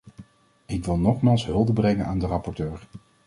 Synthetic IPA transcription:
ɪkʋɪlˠnɔχmaːlˠsɦɵlˠdəbrɛŋənaːndərɑpɔɹtøːɹ

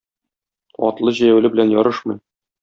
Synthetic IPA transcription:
ɒ̰t̪lˠɤʑæjæwlɘbɘ̆lænjɒɾɤʃmɤ̆j

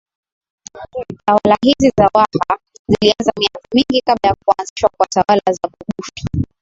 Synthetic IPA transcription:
tawalaɦizizawaha | zilianzamiakamiŋɡikaɓlajak̚uanziʃwakwatawalazaɓuɓufi̥

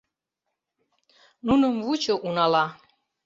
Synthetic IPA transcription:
nunəmvut͡ʃəʔunala

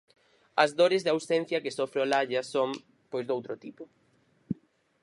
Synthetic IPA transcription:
ɐzðoɾɪzðawsen̟θjɐkesofɾeolaʎɐsom | pojzðowt̪ɾot̪ipo

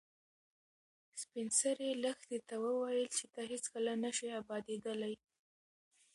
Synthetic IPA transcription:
spɪnsaɾeləxt̪et̪awəwajəlt͡ʃet̪aɦet͡skəlanəʃiabɑd̪ed̪əlaj

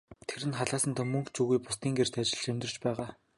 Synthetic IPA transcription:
t̪ʰeɾɘ̆nχaɮaːsə̆nt̪ʰɔmɵŋkt͡ɕuɣujpʊst̪iːŋɡer̥t̪ʰat͡ɕɪ̆ɮemʲt̪rə̆rt͡ɕpæːʁaː

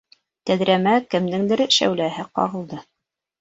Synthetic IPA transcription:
t̪æðɾæmækɘ̆md̪ɘŋd̪ɘ̆ɾʃæ̰wlæɦɘqɑ̰ʁɤ̆lˠd̪ɤ

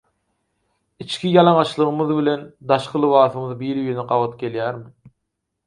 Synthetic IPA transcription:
it͡ʃkʰʲijɑlˠɑŋɑʃlˠɯʁɯmɯðβile̞nd̪ɑʃqʰɯlˠɯβɑːθɯmɯðbiːɾyjneqɑvɑt̪ɡe̞ljæːɾmi

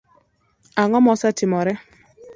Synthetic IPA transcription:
aŋɔmɔsatɪmɔɾɛ

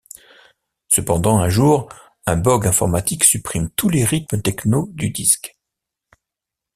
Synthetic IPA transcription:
səpɑ̃d̪ɑ̃ɛ̃ʒuːʁ | ɛ̃bɔɡɛ̃fɔ̰ʁmat̪iksypχimt̪uleʁit̪mət̪ɛknod̪yd̪isk

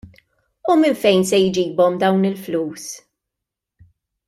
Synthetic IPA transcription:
umɪnfɛjnsɛjd͡ʒiːbɔmd̪ɐwnɪlfluːs

